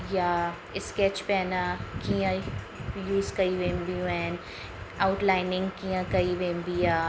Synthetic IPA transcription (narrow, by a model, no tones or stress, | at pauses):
ja | ɪskeːt͡ʃpɛːnakiə̃ | juːzkɐiʋẽːmbijũan | aʊʈlaːɪnɪ̃ŋɡkijə̃kɐiʋẽːmbija